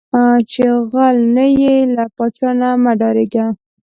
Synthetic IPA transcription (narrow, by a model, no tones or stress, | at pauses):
at͡ʃeɣalnajelapɑt͡ʃɑnamaɖɑɾeɡa